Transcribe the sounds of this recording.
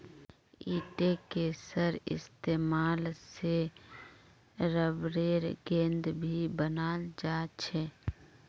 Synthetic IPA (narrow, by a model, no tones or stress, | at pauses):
iːʈekesəɾɪ̰st̪eːmaːlse | ɾəbɾeːɾɡẽːnd̪bʱibənad͡ʒaːt͡ʃʰɛ